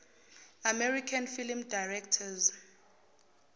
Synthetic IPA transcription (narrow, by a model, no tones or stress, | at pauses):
amɛrikʰanfilmdajrɛktʰaz